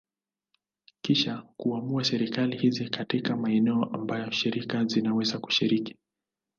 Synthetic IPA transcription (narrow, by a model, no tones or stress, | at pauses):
kiʃakuamuasɛɾikalihizikatikamaɛnɛɔʔambajɔʃiɾikazinawɛzaku̥ʃiɾiki̥